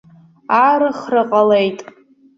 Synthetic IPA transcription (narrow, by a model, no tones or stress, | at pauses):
arɨχrɨqʼalejtʼ